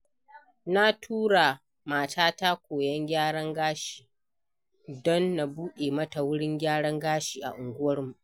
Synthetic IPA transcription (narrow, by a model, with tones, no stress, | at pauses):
na˦tʰuː˦ɽa˨ | maː˨taː˦ta˦kʷoː˨jɐ˦ŋɡʲaː˦ɽɐ˦ŋɡaː˦ʃi̥ː˨ | dɔ˦nːa˨buː˦ɗeː˨mɐ˦ta˨wʊ˦ɽɪ˦ŋɡʲaː˦ɽɐ˦ŋɡaː˦ʃiː˨ʔa̰˨ʔʊ˨ŋɡʷʊ˦wɐ˦rmu˨ʔ